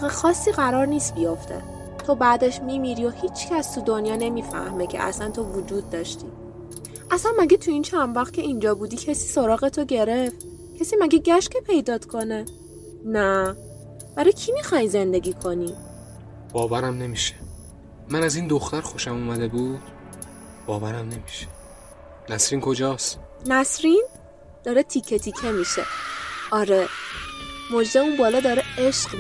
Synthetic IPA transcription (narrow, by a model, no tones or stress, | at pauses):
ɣexɒːsːiːɣæɾɒːɾniːst̪̚bijoft̪ʰe̞̰ | t̪ʰo̞bæd̪eʃmimiɾio̞hiːt͡ʃʰcʰæst̪ʰud̪onjɒːne̞miːfæ̰hmecʰḛʔæ̰sænt̪ʰo̞vud͡ʒuːd̪ːɒːʃt̪iː | ʔæsænmæɡet̪ʰuint͡ʃʰænvæχt̪̚kʰʲe̞ind͡ʒɒːbuːd̪iːcʰesiːsoɾɒːɣet̪ʰoɟe̞ɾeft̪ | cʰesiːmæɡeɟæʃcepʰe̞jd̪ɒːd̪̥kʰo̞ne | næ | b̥æɾɒjcʰimixɒjze̞nd̪e̞ɡʲiːkʰo̞ni | b̥ɒːvæɾæmne̞miʃe̥ | mænæzind̪oxt̪æɾxo̞ʃæmuːmæd̪ebuːd̪̥ | b̥ɒːvæɾæmne̞miʃe̥ | næsɾiːnkʰo̞d͡ʒɒːsnæsɾin | d̪̥ɒːɾet̪ʰicʰːet̪ʰicʰemiːʃe̞̰ɒːɾe | mod͡ʒd̪eunbɒːlɒːd̪ɒːɾeeʃɢ